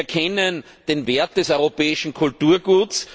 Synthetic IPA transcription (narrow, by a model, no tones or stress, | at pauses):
ɐkʰɛnən | d̥enveɐt̚d̥ɛsɔʏʁopɛːɪʃn̩kʰʊltuːɐɡuːt͡s